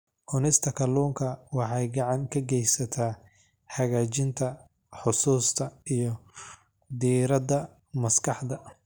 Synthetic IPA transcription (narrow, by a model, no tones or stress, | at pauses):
ʔʊnɪst̪ʰɐkʰɐluːŋkʰɐwɑħɑjɡɑʕɑŋkʰɐɡɛjsɐt̪ʰaː | ħɐɣaːt͡ʃɪnt̪ʰɐ | ħʊsuːst̪ʰɐijɞ | d̪iːɾɐd̪ɐ | mɐskʰɑħd̪ɐ